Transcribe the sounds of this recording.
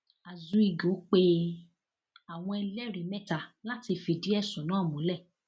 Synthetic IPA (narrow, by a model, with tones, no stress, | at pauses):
a˨zũ˨˦i˧˨ɡo˨˦k͡pe˦ | a˨w̃ɔ̃˧ɛ˧lɛ˦ɾi˨˦mɛ̃˦ta˨la˦ti˧fi˧di˨˦ɛ˦˨sɔ̃˨˦nã˨˦˨mũ˨˦lɛ˦˨